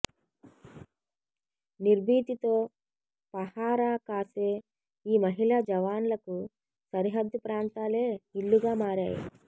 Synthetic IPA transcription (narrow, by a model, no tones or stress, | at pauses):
niɾbʱiːt̪it̪oː | pɐhaːɾaːkaːseː | iːmɐɦilaːd͡ʒɐʋaːnlɐku | sɐɾiɦɐd̪ʱːupɾaːnt̪aːle̞ːiɭːuɡaːmaːɾa̰ːjḭ